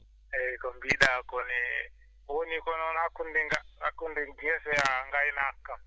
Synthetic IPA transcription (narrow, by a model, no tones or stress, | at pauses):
ɛkombiɗakɔnɛ | wonikɔnɔnakʰundiŋaakundiŋɛfɛaŋɡajinaːkːa